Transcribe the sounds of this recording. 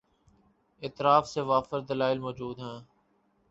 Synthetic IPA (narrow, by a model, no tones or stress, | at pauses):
ɪːt̪ɾaːfseːʋaːfəɾd̪əlaːɪlmoːd͡ʒuːd̪ɦɛ̃ː